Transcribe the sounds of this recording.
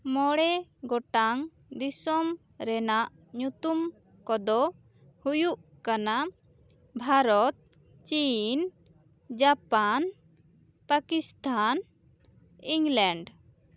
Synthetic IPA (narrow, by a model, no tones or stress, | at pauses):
mɔɽɛɡɔʈaŋ | d̪isɔm | ɾɛnaʔ | ɲut̪um | kɔd̪ɔ | hujuʔkana | bʱaɾɔt̪̚ | t͡ʃin | d͡ʒapan | pakist̪ʰan | iŋlɛɳɖ